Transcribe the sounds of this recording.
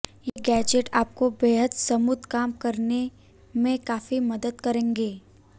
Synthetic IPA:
jeːɡɛːd͡ʒeʈaːp̚kobeːɦəd̪sɐmʊd̪ʱkaːmkɐɾne | mẽkaːfimɐd̪əd̪kɐɾẽːŋɡeː

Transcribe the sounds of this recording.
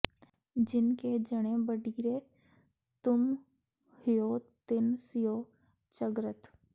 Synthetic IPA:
d͡ʒɪnked͡ʒəɽ̃ebəɖʱiɾe | t̪ʊm | hɪjot̪ɪnsijo | t͡ʃəɡɾət̪

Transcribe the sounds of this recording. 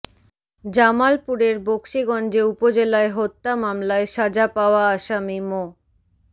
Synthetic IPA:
d͡ʑamalpuɾeɾbokʃiɡɔnd͡ʑeupod͡ʑelaeɦot̪ːamamlaeʃad͡ʑapaoaaʃamimo

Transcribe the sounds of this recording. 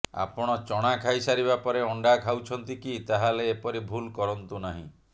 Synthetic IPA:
a̰pɔɽ̃ɔt͡ʃɔɽ̃akʰajsaɾibapɔɾeɔɳɖakʰawt͡ʃʰɔnt̪ikit̪aɦaleːpɔɾibʱulkɔɾɔnt̪unaɦḭ̃

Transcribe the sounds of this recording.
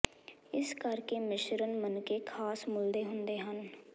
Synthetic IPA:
ɪskəɾkemɪʃɾənmənkekʰaːsmʊld̪eɦʊ̃nd̪eɦən

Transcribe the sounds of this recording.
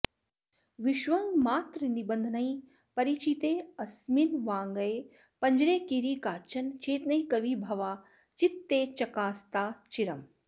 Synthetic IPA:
ʋiʃʋɐŋɡmaːt̪ɾənibɐnd̪ʱnɐĩ | pɐɾit͡ʃit̪eːɐsminʋaːŋɡɐje | pɐɲd͡ʒɾeːkiɾiːkaːt͡ʃɐnt͡ʃeːt̪nɐĩkɐʋibʱɐʋaː | t͡ʃit̪ːeːt͡ʃɐkaːst̪aːt͡ʃiɾɐm

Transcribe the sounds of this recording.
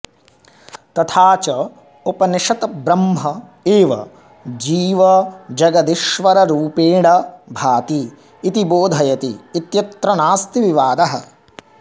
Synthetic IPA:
t̪ɐt̪ʰaːt͡ʃɐ | opɐniʂɐt̪ɐbɾɐmɦɐ | eːʋɐ̰ | d͡ʒiːʋɐd͡ʒɐɡɐd̪iʃʋɐɾɐɾuːpeːɳɐbʱaːt̪iː | t̪iboːd̪ʱɐjɐt̪iːt̪jɐt̪ɾɐnaːst̪iʋiʋaːd̪ɐɦɐ

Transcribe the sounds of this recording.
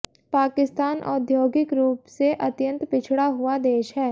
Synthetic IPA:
paːkɪst̪aːnʔɔ̰ːd̪ʱjoːɡɪkɾuːpseʔɐt̪jə̃nt̪pɪt͡ʃʰɽaɦʊad̪eːʃɦɛː

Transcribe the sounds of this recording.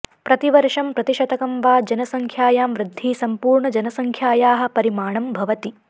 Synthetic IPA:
pɾɐt̪iʋɐɾʂɐmpɾɐt̪iʃɐt̪ɐkɐmʋaːd͡ʒɐnɐsɐŋkʰjaːjaːmʋɾɪd̪ʱːiːsɐmpuːɾɳɐd͡ʒɐnɐsɐŋkʰjaːjaːɦɐ̆pɐɾimaːɳɐmbʱɐʋɐt̪i

